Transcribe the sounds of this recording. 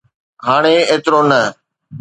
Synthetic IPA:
ɦaːɽ̃eːeːt̪ɾoːnə

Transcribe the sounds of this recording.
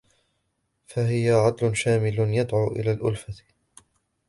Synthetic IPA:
faɦɪjaʕad̪lʊnʃaːmɪlʊnjad̪ʕuːʔɪ̰laːlʔʊ̰lfat̪

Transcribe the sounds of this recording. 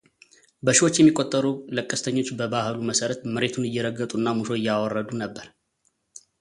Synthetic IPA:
bəʃiwot͡ʃːjɛmːikʼːot̪ʼːəɾuləkʼːəst̪ʰəɲːo̞t͡ʃːbəbahluməsəɾət̪mɨɾe̞t̪ʰunɨjːɛɾəɡːət̪ʼuɨnːamuʃo̞ɪjːawɔrːəd̪unəbːəɾ

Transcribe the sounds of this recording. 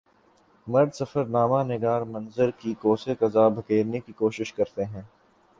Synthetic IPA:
mɐɾd̪sɐfəɾnaːmanɪɡaːɾmɐ̃nzəɾkikoːsekɐzaːbʱɐkeːɾnekikoːʃɪʃkɐɾt̪eɦɛ̃ː

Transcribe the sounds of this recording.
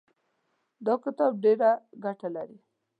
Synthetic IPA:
d̪ɑkɪt̪ɑb̚ɖeɾaɡaʈalaɾi

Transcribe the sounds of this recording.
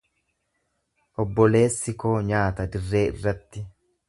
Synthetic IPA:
ʔɔbːɔle̞ːsːɪkoːɲaːt̪ɐd̪ɪrːe̞ːɪ̰rːɐt̪ːɪ

